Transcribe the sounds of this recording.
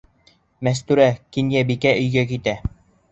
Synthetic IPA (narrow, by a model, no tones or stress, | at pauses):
mæs̬t̪ʉɾækinjæbikæʔɵ̆jɡækit̪æ